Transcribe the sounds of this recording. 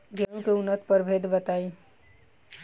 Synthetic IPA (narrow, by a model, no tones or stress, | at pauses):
ɡɛũkeʊnːət̪pəɾbʱed̪bət̪aːĩ